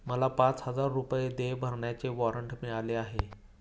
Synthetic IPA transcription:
məlapat͡shəd͡zaɾːupjed̪ebʱəɾɳjat͡seʋɔɾəɳʈmiɭaleaɦe

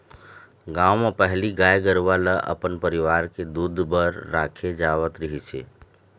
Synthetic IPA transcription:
ɡaːwmẽpəɦliɡaːjɡəɾʋaləʔə̰pənpəɾɪʋaːɾked̪uːd̪ʱbəɾːaːkʰed͡ʒaːʋət̪ɾəɦit͡ʃʰḛː

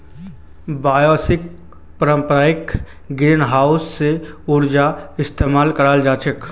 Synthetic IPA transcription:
baːjɔːsɪk̚ | pəɾə̃mpɾaːjɪk | ɡɾinɦaːʊsːeʊɾd͡ʒaɪst̪eːmaːlkəɾaːld͡ʒaːt͡ʃək

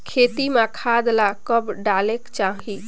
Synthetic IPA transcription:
kʰet̪imakʰad̪lakəbɖalekt͡ʃaɦi

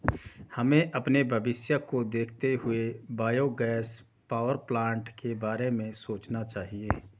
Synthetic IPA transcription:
hɐmẽʔɐpnebʱɐbɪsjəkod̪eːkʰt̪eɦʊebaːjoɡɛːs | paːʋəɾplãːɳʈkebaːɾemẽsoːt͡ʃnat͡ʃaːɦieː

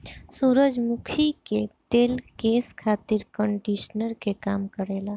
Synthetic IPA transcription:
suɾəd͡ʒmukʰiket̪elkeskʰat̪iɾkəɳɖisnəɾkekamkəɾela

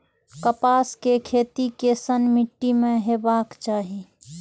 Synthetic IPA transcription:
kəpaːskekʰeːt̪ikesənmɪʈːimẽɦeːbaːkt͡ʃaːɦi

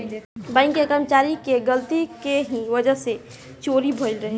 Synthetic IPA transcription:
bãɪ̃ŋkekəɾmət͡ʃaːɾikeɡəlt̪ikeɦiʋəd͡ʒəse | t͡ʃoːɾibʱoɪlɾəɦe

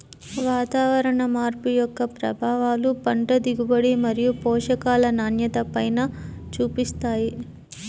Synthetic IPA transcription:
ʋaːt̪aːʋɐɾɐɳɐmaːɾpujɔkːɐpɾɐ̰bʱaːʋaːlupɐɳʈɐd̪iɡubɐɽimɐɾijupɔːʂɐkaːlɐnaːnjɐt̪ɐpɐjnat͡ʃuːpist̪aːji

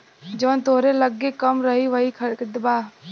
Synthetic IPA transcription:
d͡ʒəʋənt̪oɦɾeləɡːekəmɾəɦiʋəɦikʰəɽkd̪əbaː

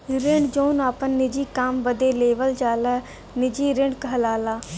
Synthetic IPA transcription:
ɾɪɳɖd͡ʒoːnaːpənːɪd͡ʒiːkaːmbəd̪eːleːʋəld͡ʒaːlaː | nɪd͡ʒiːɾɪ̃ɳɖkəɦəlaːlaː

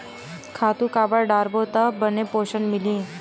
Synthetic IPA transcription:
kʰat̪ũkabəɽɖaɾbot̪əbənepoɕənmilĩː

